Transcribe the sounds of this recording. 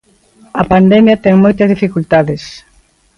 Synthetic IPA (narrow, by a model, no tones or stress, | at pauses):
ɐpand̪ɛmjɐt̪ɛŋmojt̪ɐzðifikult̪aðɪs